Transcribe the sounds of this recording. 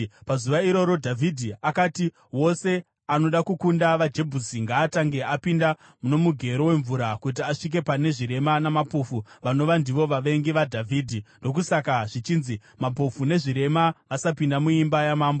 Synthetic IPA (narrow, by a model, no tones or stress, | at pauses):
pazuʋaiɾo̞ɾo̞dʱavʱidʱiakati | wo̞se̞ | ano̞ɗakukundaʋad͡ʒe̞bʱusiŋɡaːtaŋɡe̞ʔapinda | muno̞muɡʱe̞ɾo̞we̞ɱvuɾakut̬iaʂik̬e̞pane̞ʐiɾe̞manamapofuʋano̞ʋandiʋo̞ʋaʋe̞ŋɡiʋadʱavʱiːdʱindo̞k̬usakaʐit͡ʃiːnzi | mapofune̞ʐiɾe̞maʋasapindamuimbajamaːmbo